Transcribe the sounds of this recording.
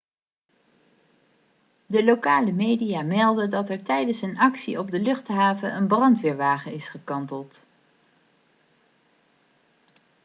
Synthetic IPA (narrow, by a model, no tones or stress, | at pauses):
dəlowkaːləmejdijaːmɛlˠdədɑtɛɹtɛjdənsənɑksiɔb̚dəlɵχtɦaːvəʔənbrɑntʋɪːɹʋaːχəɪsχəkɑntəlˠt